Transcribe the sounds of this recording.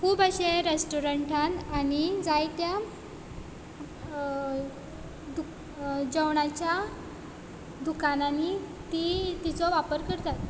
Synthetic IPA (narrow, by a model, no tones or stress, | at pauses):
kʰuːbaɕẽɾesʈuɾəɳʈʰananid͡zajt̪ja | d̪u | d͡ʑəwɳat͡ɕja | d̪ukananit̪it̪it͡sɔʋapəɾkəɾt̪at̪